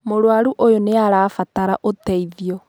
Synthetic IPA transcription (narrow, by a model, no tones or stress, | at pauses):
moɾwaɾuʔojoneaɾaːfataɾaʔotɛiðiɔ